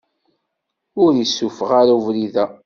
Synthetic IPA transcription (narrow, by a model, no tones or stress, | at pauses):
ʊɾisːufəʁaɾauvɾiðæ